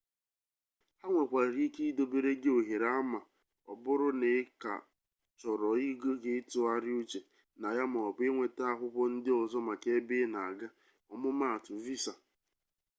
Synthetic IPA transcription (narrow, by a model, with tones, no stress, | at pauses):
ha˦ŋʷe˨kʷa˨ɾi˦ki˦do˨be˨ɾe˦ɡe˦o˨ɦe˨ɾa˦a˦ma˨ | ɔ̰˨bʊ˦ɾʊ˦ne˨˦ka̰˨ | t͡ʃɔ˨ɾɔ˨i˦ɡo˦ɡe˦tʊ˦a˦ɾɪ˦u˦t͡ʃe˨ | na˨ja˦m˨ɔ˨ɔ˨k͡pe˦ŋʷe˨ta˦a˦ɦʷʊ˦kʷɔ˦n̩˦dɪ˦ɔ˨zɔ˦ma˨ke˦be˦na˨ɡa˦ | ɔ˨mʊ˦ma˦a˨tʊ˨vi˦sa˨